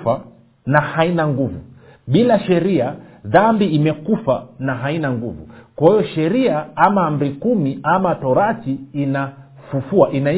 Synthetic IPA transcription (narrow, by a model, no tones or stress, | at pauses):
fa | nahainaŋɡuvṵ | ɓilaʃɛɾiaðambiimɛkufanaɦainaŋɡuvṵkwahijɔʃɛɾiaamaːm̩bɾikumiamatɔɾatiːna | fufuaʔina